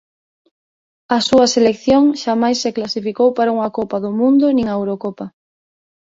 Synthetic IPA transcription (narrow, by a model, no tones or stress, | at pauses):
ɐsuɐselekθjoŋʃamajsːeklasifikowpaɾauŋakopaðʊmũnd̪ʊnĩŋaewɾokɔpa